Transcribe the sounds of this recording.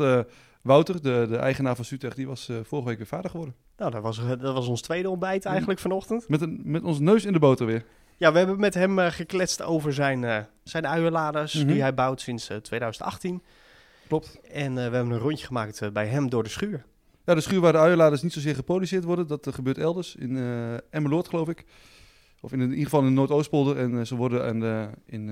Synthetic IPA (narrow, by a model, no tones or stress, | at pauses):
ə | ʋawtərdədəʔɛ̰jχənaːfɑnsytɛχdiʋɑsfɔrχəʋejkʋɪfaːdəχəʋɔɹdən | nawdɔtʋɑsdɔtʋɑsɔnstʋejdəɔmbɛjtɛjχənləkfɔnɔχtəntmɛtəmɛtɔnsnøɥsɪndəbowtərʋɪəɹ | jaʋəɦɛbənmɛtɦɛmχəklɛsto̰wvəɹzɛjn | sɛjnœɥəlaːdəsdiɦɛjbawtsɪnstʋejdœɥzəntɑ̰χtin | klɔp̚tɛnʋəɦɛbənənrɔɲjəχəmaːktbɛjɦɛmdʊːɹdəsχyːəɹ | jadəsχyːɹʋaːdəœɥəlaːdəsnitsowzɪːɹχəprodysɪːtʋɔɹdəndɑtχəbøːɹtɛlˠdəɹsɪnɛməlʊtχəlowfɪk | ɔfɪniχəfɑlˠɪndənoːtowstpolˠdərɛnsəʋɔɹdənɪn